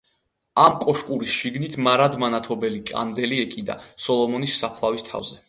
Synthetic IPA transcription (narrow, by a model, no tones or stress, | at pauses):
amkʼɔʃkʼuɾisʃiɡnit̪ʰmaɾad̪manat̪ʰɔbɛlikʼa̰nd̪ɛliɛkʼid̪a̰sɔlˠɔmɔnisːapʰlˠavist̪ʰa̰vzɛ